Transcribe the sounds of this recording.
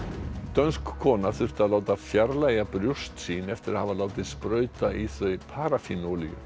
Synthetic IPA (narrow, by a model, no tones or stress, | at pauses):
t̪œnskʰːɔːnaθʏr̥t̪aðlaːwt̪afjaɾlaːjapɾjur̥st̪siːnɛft̪ɪɾahavalaːwt̪ɪðspɾœːɥt̪aʔiθœɥpʰaːɾafinowlijʏ̰